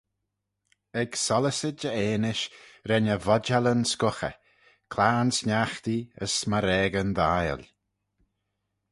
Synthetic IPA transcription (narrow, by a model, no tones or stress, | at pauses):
ɛɡsɔləsəd͡ʒəeːnɪʃɾɛnəvɔd͡ʒalənskʊxə̰ | kʰlaːnsnaxt̪iə̰smaɾɛːɡənd̪aːjə̰lʲ